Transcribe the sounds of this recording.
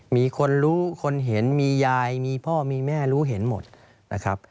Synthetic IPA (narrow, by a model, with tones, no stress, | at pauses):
miː˧kʰo˧nɾuː˦˥kʰo˧nɦe˩˦nmiː˧jaː˧jmiː˧pʰɔː˥˩miː˧mɛː˥˩ɾuː˦˥ɦe˩˦nmo˨˩t̪̚ | nʔa̰˦˥kʰɾa˦˥p̚